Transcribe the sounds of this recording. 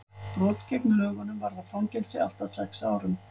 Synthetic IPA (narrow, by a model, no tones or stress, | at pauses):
pɾɔːt̪cɛknʏœːɣɔnʏmvaɾðafawncɛlsɪa̰l̥t̪aðsɛksaːwɾʏm